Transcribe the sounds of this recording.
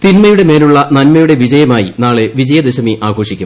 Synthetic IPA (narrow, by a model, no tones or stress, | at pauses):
t̪inmɐjuɽe̞me̞ːluɭːɐnɐnmɐjuɽe̞ʋid͡ʑɐjɐmaːjḭnaːɭe̞ʋid͡ʑɐjɐd̪eɕɐmiʔaːɡʰʱo̞ːʂikʲːum